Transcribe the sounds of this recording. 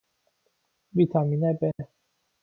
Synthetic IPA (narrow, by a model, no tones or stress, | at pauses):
bit̪ʰaminɛbɛ